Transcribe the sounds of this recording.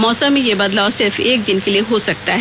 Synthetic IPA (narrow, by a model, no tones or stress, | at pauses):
mɔːsə̃mːẽjebɐd̪laːʊsɪɾfeːk̚d͡ʒɪnkelieɦosɐk̚t̪aɦɛ